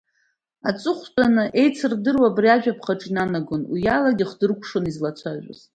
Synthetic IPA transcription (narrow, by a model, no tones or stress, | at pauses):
at͡sʼʊχʷtʼanɨʔe̞jt͡sʰɨrdɨrwaːbriaʒᶣapʰχaʈ͡ʂʼinanaɡʊnwijalaɡʲiχdɨrkʷʰʂonizlat͡sʷʰaʒᶣʷa̰z̥